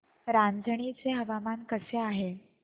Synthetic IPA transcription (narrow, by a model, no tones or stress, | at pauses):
ɾand͡zʱɳ̃it͡seɦəʋamankəseaɦe